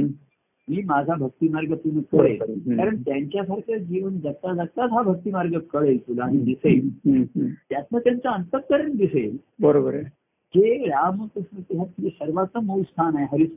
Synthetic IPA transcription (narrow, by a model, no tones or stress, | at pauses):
miːmad͡zʱabʱək̚t̪iːmaɾɡəpunəkəɭelkːaɾəɳt̪jaɲt͡ɕjasaɾkʰad͡ʑiʋənd͡zət̪ad͡zaɡ̚t̪at̪ɦabʱək̚t̪iːmaɾɡəkəɭejt̪ulaːɦid̪isejl | t̪jat̪nat̪jamt͡saənt̪ək̪ːəɾəɳd̪isel | bəɾobəɾ | d͡ʑeɾamənt̪əsət̪iɦat̪jesəɾʋat͡s̪əməwst̪ʰanaeɦəɾis